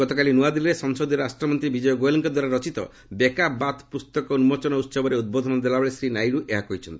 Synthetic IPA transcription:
ɔt̪ɔkalinuad̪ilɾesɔŋsod̪iɾɔɾasʈɾɔmɔnt̪ɾibid͡ʒɔjɔɡojlɔŋkɔd̪waɾaɾɔt͡ʃit̪ɔ̰ | bekabat̪pust̪ɔkɔunmɔt͡ʃɔnɔut̪sɔbɔɾeud̪̚bɔd̪ʱɔnɔd̪elabɔɭesɾinajɾuʔeɦakɔɦit͡ʃʰɔnt̪ii

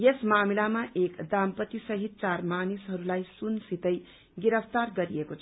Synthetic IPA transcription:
jesmamilamaʔekd̪ampʌt̪isʌɦit̪̚t͡sarmanisɦʌɾulajsunsit̪ʌj | ɡiɾʌp̚ʰt̪arɡʌɾiekot͡sʰʌ

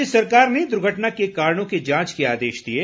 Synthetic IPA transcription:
ɪsɐɾkaːɾned̪ʊɾɡʱəʈnakekaːɾɽ̃õked͡ʒãːt͡ʃkeaːd̪eːʃd̪ieː

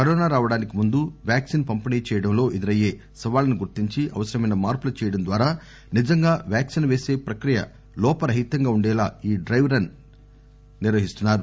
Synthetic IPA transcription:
kɐɾɔːnaːɾaːʋɐɽaːnikimund̪uʋjaːksinpɐmpiniːt͡ʃɛːjɐɽɐmlo̞ːʔed̪iɾɐje̞ː | sɐʋaːlɐnuɡuɾt̪iɲt͡ʃiʔɐ̰ʋɐsɐɾɐmɐjnɐmaːɾpulɐt͡ʃɛːjɐɽɐnd̪ʋaːɾaː | nid͡ʒɐŋɡaːʋjaːksinɐʋe̞ːse̞ːpɾɐkɾijɐ̰ | lɔːpɐɾɐɦit̪ːɐŋɡaːuɳɖɛːlaːiːɖɾɐjʋɾɐnː | iɾʋɐɦist̪unːaːɾu

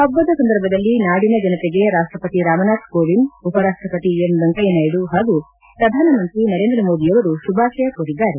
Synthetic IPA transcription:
ɐbːɐd̪ɐsɐnd̪ɐɾbʱɐd̪ɐlːinaːɽinɐd͡ʒɐnɐt̪eɡe̞ɾaːʂʈɾɐpɐt̪iɾaːmɐnaːt̪ʰkoːʋinupɐɾaːʂʈɾɐpɐt̪iemd̪ɐŋkɐjɐnaːjiɽuɦaːɡu | pɾɐd̪ʱaːnɐmɐnt̪ɾinɐɾe̞ːnd̪ɾɐmo̞ːd̪ijɐʋɐɾuʃubʱaːʃɐjɐkoːɽid̪ːaːɾe

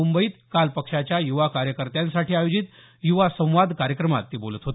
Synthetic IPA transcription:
umbəiːt̪kalpəkʂat͡ɕjajuʋakaɾjəkəɾt̪jãnsaʈiːajod͡ʑit̪ | juʋasə̃w̃ʋad̪kaɾjəkɾəma̰t̪ːiːbolət̪ɦot̪

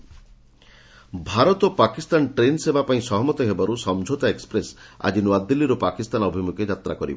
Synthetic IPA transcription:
bʱaɾɔt̪ɔpakist̪anʈɾensebapaĩsɔɦɔmɔt̪ɔɦebaɾusɔmd͡ʒʱot̪aekspɾesa̰d͡ʒinuad̪ːilːiɾopakist̪anɔbʱimuked͡ʒat̪ɾakɔɾḭbɔ

